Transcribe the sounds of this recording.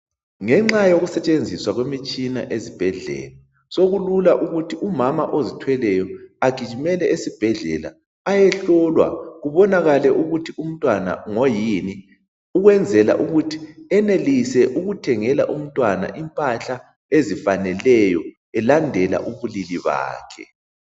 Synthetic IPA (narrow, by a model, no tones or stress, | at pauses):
ŋɛŋ͡ǁajoɣusɛt͡ʃʼend͡zʱiswaɣwemit͡ʃʼina̰ʔezib̥ʱɛɮɛ̰la | soɣululaʔuɣutʰiʔumamaʔozitʰwɛlɛjɔaɡ̥ʱit͡ʃimɛlɛʔesib̥ʱɛɮɛ̰la̰ː | jɛɬɔlwa̰ɣuβɔnaɣalɛʔuɣutʰium̩tʼwana̰ŋojini | uɣwɛnd͡zʱɛla̰ʔuɣutʰi̥ɛnelisɛʔuɣutʰɛŋɛla̰ʔum̩tʼwana̰ʔimpʼaɬa | ezifanɛlɛjɔ | ɛlandʱɛla̰ʔuβuliliβa̰ːkʰɛ̰